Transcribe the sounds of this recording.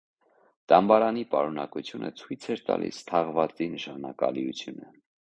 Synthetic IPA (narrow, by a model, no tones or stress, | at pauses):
t̪ɑmbɑɾɑnipɑɾunɑkut͡sʰjunə̰t͡sʰujt͡sʰɛɾt̪ɑ̰lḭst̪ʰɑʁvɑt͡sinəʃɑnɑkɑ̰liut͡sʰjunə